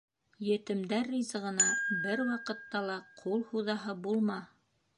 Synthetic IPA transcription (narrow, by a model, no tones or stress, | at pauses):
jɘ̆t̪ɘ̆md̪æɾːizɤʁɤ̆nɑbɘɾwɑqɤ̆t̪ːɑlˠɑqʰulˠhuðɑɦɤbulˠmɑ